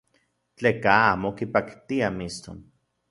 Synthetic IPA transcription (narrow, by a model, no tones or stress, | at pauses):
t͡ɬeːkaaːmokipakt̪iamist̪o̰n